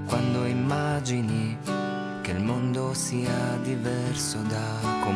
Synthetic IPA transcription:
kwand̪oimːad͡ʒini | kelmond̪osiːad̪ivɛrsod̪a | kːo

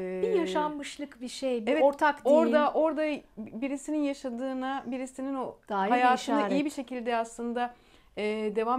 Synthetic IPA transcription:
ijaʃamːɯʃlˠɯkbiʃejbeɛoɾt̪ʰakd̪oɾd̪aʔo̞ɾd̪abiɾisininjaʃad̪ɯːnabiɾisininod̪aːjhajaːɯnaijibiʃe̞cilʲd̪ɛaslˠɯnd̪a | ɛːd̪e̞vaːm

